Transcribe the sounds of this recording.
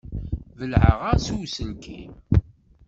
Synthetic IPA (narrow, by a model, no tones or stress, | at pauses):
vəlʕəʁasuwsəlkʰi